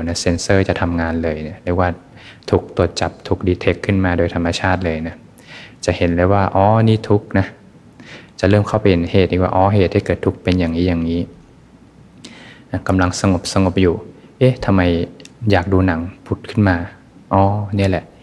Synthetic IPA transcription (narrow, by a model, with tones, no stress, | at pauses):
na˦˥se˧nsɤː˧˥˩t͡ɕa˨˩ʔt̪ʰa˧mŋaː˧nlɤː˧jni˧˥˩lɛː˧˥waː˧˥˩ | t̪ʰuː˨˩k̚t̪u˨˩ət̪̚t͡ɕa˨˩p̚t̪ʰu˨˩k̚diː˧t̪ʰe˦˥kʰːɯ˥˩nmaː˧doː˧jt̪ʰa˧mːa˧t͡ɕʰaː˥˩t̪̚lɤː˧jna˦˥ | t͡ɕa˨˩he˩˦nlaː˧˥waː˥˩ʔɔː˧˥niː˥˩t̪ʰu˦˥k̚na˦˥ | t͡ɕa˨˩lɤː˥˩˨mkʰa˥˩wpa˧he˨˦heː˨˩t̪̚ʔi˧˩wa̰ː˧ʔɔː˧˥˩ɦeː˨˩t̪̚hːiː˥˩kɤː˨˩t̪ʰːu˦˥k̚pe˧njaː˨˩ŋiː˦˥jaː˨˩ŋŋiː˦˥ | na˦˥ka˧mla˧ŋsa˧ŋo˨˩p̚sa˧ŋo˨˩p̚juː˨˩ʔe˦˥˩t̪ʰa˧mːa˧jjaː˨˩k̚duː˧na˩˦ŋpʰu˨˦˩t̪̚kʰɯ˥˩nmaː˧ | ʔɔː˧˥˩ni˥˩ə˨lɛ˨˩ʔ